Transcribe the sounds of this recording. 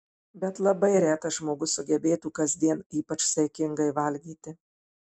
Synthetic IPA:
bʲɛt̪lˠɐbɐɪɾʲæːt̪ɐʒmoːɡʊsʊɡʲɛbʲeːt̪uːkɐzʲd̪ʲiɛniːpɐt͡ʃsɐɪkʲɪŋɡɐɪʋɐlʲɡʲiːt̪ʲɪ

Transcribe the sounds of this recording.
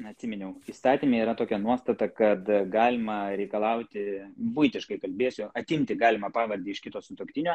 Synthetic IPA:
ɐt̪sʲɪmʲɪnʲɛʊiːst̪ɑːt̪ʲimʲeːiːɾɐt̪oːkʲɛnuɔst̪ɐt̪ɐkɐt̪ɡɑːlʲɪmɐɾʲɛɪkɐlˠɐʊt̪ʲɪbʊɪt̪ʲɪʃkɐɪkɐlʲbʲeɛsʲʊɐt̪ʲɪmʲt̪ʲɪɡɑːlʲɪmɐpɑːʋɐɾʲd̪ʲiːɪʃkʲɪt̪oːsʊt̪okt̪ʲɪnʲoː

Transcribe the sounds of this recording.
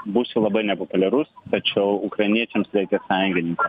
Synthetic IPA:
busʲɪlˠɐbɐɪnʲɛpopʊlʲɛɾʊst̪ɐt͡ʃʲɛʊʊkɾɐɪnʲiɛt͡ʃʲɛmsɾʲɛɪkʲɛsɑjŋʲɡʲɪnʲɪŋkɐ

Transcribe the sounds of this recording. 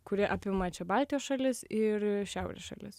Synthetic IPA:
kʊɾʲɪʔɑpʲɪmɐt͡ʃʲɛbɑˑlʲt̪ʲijoːsʃɐlʲɪsɪɾʃʲæˑʊɾʲɛ̰sʃɐ̰lʲɪs

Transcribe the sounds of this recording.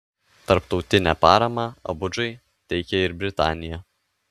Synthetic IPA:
t̪ɐɾpt̪ɒʊt̪ʲɪnʲæːpɑːɾɐmɑːɐ̰bʊd͡ʒɐɪ | t̪ʲɛɪkʲɛɪɾbʲɾʲɪt̪ɑ̰ːnʲɪjɛ

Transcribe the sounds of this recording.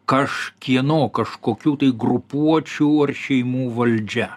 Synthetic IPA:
kɐʃkʲiɛnoːkɐʃkoːkʲuːt̪ɐɪɡɾʊpuɔt͡ʃʲuːɐrʃʲɛɪmuːʋɐlʲd͡ʒʲɛ

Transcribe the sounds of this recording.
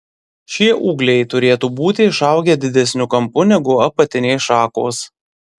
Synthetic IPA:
ʃʲiɛʔuːɡlʲɛɪt̪ʊɾʲeːt̪uːbuːt̪ʲɪɪʃɑˑʊɡʲeːd̪ʲɪd̪ʲɛsʲnʲʊkɐmpʊnʲɛɡʊɐpɐt̪ʲɪnʲɛɪsʃɑːkoːs

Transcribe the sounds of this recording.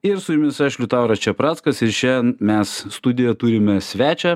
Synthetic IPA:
ɪɾsʊjʊmʲɪsæːʃʲlʲut̪ɑʊɾɐt͡ʃʲɛpɾɑːt̪skɐsɪɾt͡ʃʲɛnmʲɛsst̪ʊd̪ʲɪjɛt̪uːɾʲɪmʲɛsʲʋʲæːt͡ʃʲɛ

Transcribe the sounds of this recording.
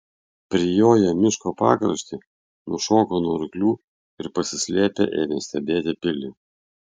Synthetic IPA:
pʲɾʲɪjoːjɛmʲɪʃkoːpɑːkɾɐ̰ʃʲt̪ʲɪ | nʊʃoːkoːnuɔɾʲʊklʲuː | ɪɾpɐsʲɪsʲlʲeːpʲḛːʔeːʋʲesʲt̪ʲɛbʲeːt̪ʲɪpʲɪlʲɪ

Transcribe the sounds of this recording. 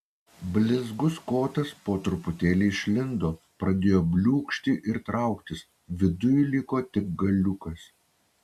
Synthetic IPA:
bʲlʲɪzɡʊskoːt̪ɐspoːt̪ɾʊpʊt̪ʲeːlʲiːɪʃʲlʲɪnd̪oː | pɾɐd̪ʲeːjoːbʲlʲuːkʃʲt̪ʲɪʔɪɾt̪ɾɑˑʊkt̪ʲɪs | ʋʲɪd̪ʊjʊlʲɪkoːt̪ʲɪk̚ɡɐlʲʊkɐs

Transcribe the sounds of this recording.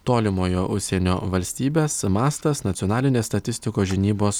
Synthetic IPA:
t̪oːlʲɪmoːjoːʔʊʃʲsʲeːnʲoːʋɐlʲsʲt̪ʲiːbʲeːsmɑːst̪ɐsnɐt̪sʲɪɔnɑːlʲɪnʲeːst̪ɐt̪ʲɪsʲt̪ʲɪkoːʒʲɪnʲiːboːs

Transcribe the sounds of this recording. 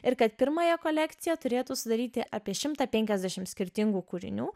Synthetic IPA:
ɪɾkɐt̪pʲɪɾmɐːjɛkoːlʲæːkt̪sʲɪjɛt̪ʊɾʲeːt̪uːsʊd̪ɐɾʲiːt̪ʲɪʔɐpʲiɛʃʲɪmt̪ɐːpʲɛŋʲkʲɛzʲd̪ʲæʃʲɪmsʲkʲɪɾʲt̪ʲɪŋɡuːkuɾʲɪ̰nʲuː

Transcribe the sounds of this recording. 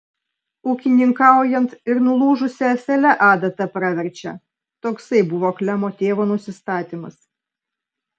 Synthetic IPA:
uːkʲɪnʲɪŋkɑˑʊjɛnt̪ɪɾnʊlˠuːʒʊsʲɛsʲɛlʲɛʔɑːd̪ɐt̪ɐpɾɑʋʲɛɾʲt͡ʃʲɛ̰ | t̪oːksɐɪbʊʋoːklʲɛmoːt̪ʲeːʋoːnʊsʲɪst̪ɑːt̪ʲimɐs

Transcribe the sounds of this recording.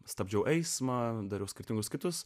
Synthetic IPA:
st̪ɐbʲd͡ʒʲɛʊʔɛɪsmɐd̪ɐɾʲɛʊsʲkʲɪɾʲt̪ʲɪŋɡʊskʲɪt̪ʊs

